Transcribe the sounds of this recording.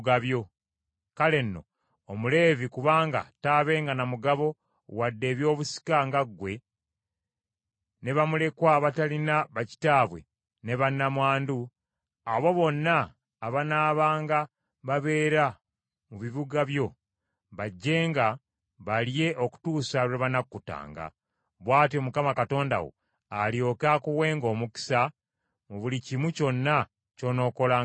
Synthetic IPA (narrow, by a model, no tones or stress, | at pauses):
ɡaβjo̞ | kale̞nːo̞̰ | omule̞ːvikuβaːŋɡa̰taːβe̞ːŋɡanamuɡaβo̞ | wadːe̞ːβjo̞ːβusi̥kaŋɡaɡːwe̞ | ne̞βamule̞kwaβatalinaβaci̥taːβwe̞̰ | ne̞βanːamwaːndu | aβo̞βo̞nːaː | βanaːβaːŋɡa | βaβe̞ːɾa | muβiβuɡaβjo̞ | βaɟːe̞ːŋɡa | βalje̞ʔo̞ku̥tuːsaɾeβanakkːuta̰ːŋɡa̰ | βwaːtieomukamakato̞ːnda̰wo̰ | alijo̞kakuwe̞ːŋɡo̞ːmuki̥sa | muβulicimuco̞nːa | co̞no̞ːko̞laː